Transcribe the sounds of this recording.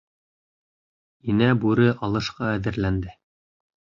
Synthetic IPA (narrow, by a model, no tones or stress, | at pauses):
inæbʉɾɘʔɑlˠɤ̆ʃqɑæðɘ̆ɾlænd̪ɘ